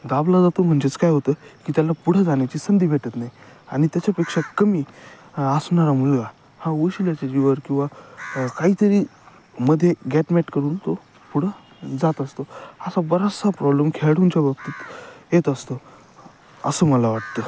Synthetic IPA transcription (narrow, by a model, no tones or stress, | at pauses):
ɡ̪ablad͡zat̪om̤əɳd͡zet͡skajɦot̪əkiːt̪jalapuɽ̤əd͡zaɳ̃jat͡ɕiːsənd̪iːbʱeʈət̪najaɽ̃it̪jat͡ɕjapekʂakəmiː | əsɳaɾamuɭɡa | hãʋəɕiljat͡ɕad͡ʑiʋəɾkĩw̃ʋakaɦiːt̪əɾiː | məd̪ʱːjeɡɛʈmɛʈkəɾuːnt̪o | puɽ̤ə | d͡zat̪əst̪oəsabəɾasapɾɔbləmkʰeɭɽũnt͡ɕabʱəɡ̚t̪iːt̪jet̪əst̪o | əsəːməlaʋaʈ̚t̪ə